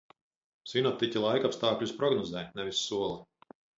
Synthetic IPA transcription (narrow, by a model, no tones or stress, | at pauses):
sinɔt̪ːicʲilˠajkapst̪aːklʲuspɾɔɡnɔzɛːnɛvisːuɔlˠɐ